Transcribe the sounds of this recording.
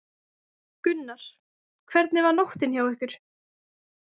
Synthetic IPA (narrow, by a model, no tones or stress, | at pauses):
kʏnːaɾ̥ | kʰvɛɾt̪nɪvaɾnɔht̪ɪnçawɛhkʏɾ̥